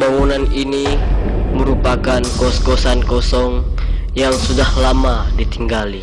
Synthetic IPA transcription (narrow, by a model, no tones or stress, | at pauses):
baŋunanini | məɾupakankɔskɔsankɔsɔŋ | jaŋsudahlamadit̪iŋɡali